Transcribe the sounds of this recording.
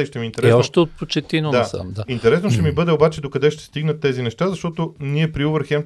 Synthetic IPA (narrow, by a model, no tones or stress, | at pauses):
ʃt̪ɛmiːnt̪ɛɾɛɔoʃt̪ɛot̪̚pot͡ʃɛt̪inod̪asa̰md̪aint̪ɛɾɛsnoʃt̪ɛmibɤd̪ɛobat͡ʃɛd̪okɐd̪ɛʃt̪ɛ̥st̪iɡnət̪ːɛzinɛʃt̪azɐʃt̪ɔt̪oniɛpɾiovəɾxɛm